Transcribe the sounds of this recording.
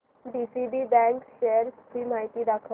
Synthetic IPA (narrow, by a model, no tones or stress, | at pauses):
ɖisiɖiːbɛ̃ŋkɕeɾskiːmaɦit̪iːd̪akʰə